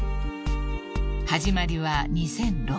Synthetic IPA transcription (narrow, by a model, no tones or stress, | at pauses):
haʑimaɾʲiβaɲisẽ̞nɾo